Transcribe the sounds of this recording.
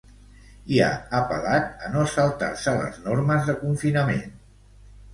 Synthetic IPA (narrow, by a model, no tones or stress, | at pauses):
ia̰əpəlat̪̚ənoəsəlˠt̪a̰rsələ̰znoɾməzðəkuɱfinəmḛn